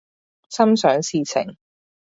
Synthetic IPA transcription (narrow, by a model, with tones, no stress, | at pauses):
sɐ˥msœː˨˥ŋsiː˨˧t͡sʰɪ̰˨˩ŋ